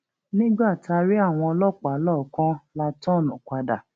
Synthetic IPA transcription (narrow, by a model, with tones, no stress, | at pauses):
nĩ˦ɡ͡ba˦˨ta˧ɾi˦a˦˨w̃ɔ̃˧ɔ˧lɔ˦˨k͡pa˨˦lɔ˦˨kã˦la˧tɔ̃˦˨nũ˨kʷa˧da˨